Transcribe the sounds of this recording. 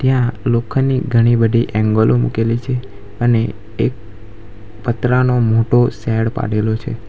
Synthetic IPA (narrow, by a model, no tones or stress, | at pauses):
t̪jãlokʰniɡʱəɽ̃ibəd̪ʱiʔɛ̃ŋɡolʔomṵkelit͡ʃʰe | əne | ek̚ | pət̪ɾanomoʈosɛɽpa̰ɽelot͡ʃʰḛ